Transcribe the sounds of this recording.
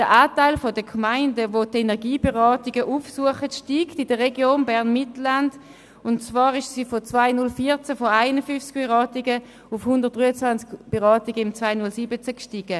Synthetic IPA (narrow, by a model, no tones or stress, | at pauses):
d̥ɛʔaːtaɪlfodəkʰmaɪndəvotenɛʁɡiːbeʁɑːtɪɡəʔuːfsuəχətʃtiːɡtɪdəʁeɡjoːnbɛʁnmɪtl̩and | ʊnt͡svaːʁɪʃsiːfot͡svaɪnʊlfiːɐt͡səfoaɪnəfyft͡sɡ̚b̥eʁɑːtɪɡə | ʊfhʊndəʁt̚d̥ʁyːət͡svant͡skb̥eʁɑːtɪɡəɪmt͡svaɪnʊlsiːbət͡səkʃtiːɡ̥ə